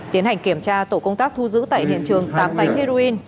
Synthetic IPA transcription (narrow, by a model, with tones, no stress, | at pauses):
t̪i˨˦ənha˨˩jŋ̟ki˧˩əmt͡ɕaː˧t̪o˧˩kə˧wŋ͡mt̪aː˦˥k̚t̪ʰu˧zɨ̰˧˥t̪a̰ː˧˨ɦḭ˧˨ənt͡ɕɨ˨˩əŋt̪aː˨˦mɓa˨˦jŋ̟hi˧ɾo˧ʔi˧n